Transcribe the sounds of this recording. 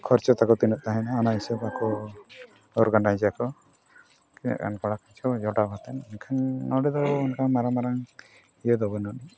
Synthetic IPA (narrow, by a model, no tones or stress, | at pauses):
kʰɔɾt͡ʃɔt̪akɔt̪inɔʔ̪̚aɦɛnaɔnaɦisɔbakɔ | ɔɾɡanajd͡ʒakɔ | kina̰ʔka̰nkɔɽakat͡ʃʰɔd͡ʒɔɖabʱat̪ɛnnkʰannɔɽɛd̪ɔbɔɔnkʰaŋmaɾamaɾaŋ | ijɛd̪ɔbɔnɔni